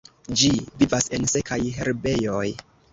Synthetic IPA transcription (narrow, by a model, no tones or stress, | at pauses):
d͡ʒivivase̞nse̞kajɦe̞ɾbe̞joj